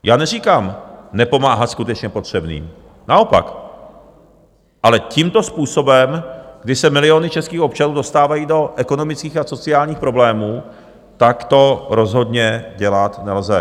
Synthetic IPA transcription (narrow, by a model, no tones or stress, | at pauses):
jʔaːnɛriːkamnɛpo̞maːɦat̪skut̪ɛt͡ʃɲɛpo̞t̪r̝̥ɛbnḭːm | nao̞pa̰k | ʔalɛciːmt̪o̞spuːso̞bɛmɡ̥dɪsɛmɪlɪonɪt͡ʃɛskiːxo̞p̚t͡ʃanuːdo̞st̪aːvajiːdo̞ʔɛko̞no̞mɪt͡skiːxaso̞t͡sɪaːlɲiːxpɾo̞blɛːmuː | t̪akt̪o̞ɾo̞zɦo̞dɲɛɟɛlat̪nɛlzɛ